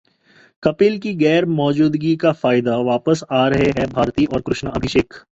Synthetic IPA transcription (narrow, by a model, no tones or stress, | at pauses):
kɐpɪlkiɡɛːɾmɔːd͡ʒuːd̪ɡikafaːɪd̪aʋaːpəsaːɾɐɦeɦɛbʱaːɾt̪iʔɔːɾkɾʊʃnəɐbʱɪʃeːk